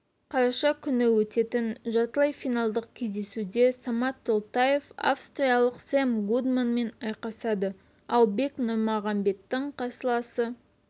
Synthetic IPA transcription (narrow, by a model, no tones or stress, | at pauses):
qʰɑɾɑʃɑkʲʰʏnɪwɵt̪e̞t̪ɪnʒɑt̪əlˠɑjfijnɑlˠd̪əq̚kʲʰe̞zd̪e̞sud̪e̞sɑmɑt̪ʰːolˠt̪ɑje̞fa̰fst̪ɾijɑlˠəqsemɡud̪manme̞nɑjqɑsɑd̪ə | ɑlˠbe̞knʊɾmɑʁɑmbe̞t̪ːɪɴqʰɑsəlˠɑsə